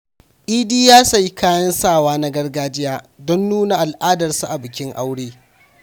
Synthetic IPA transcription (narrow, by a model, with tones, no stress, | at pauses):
ʔiː˦diː˦jaː˦sɐ˨ji˦kaː˦jɐ˦nsaː˦˨waː˦na˦ɡɐ˦rɡaː˦d͡ʒɪ˦jaː˦ | dɔ˦nːuː˦na˨ʔa˨lʔaː˦dɐ˨rsa˦ʔa˨bɪ˨kʲɪ˦ŋʔa˦wɽeː˦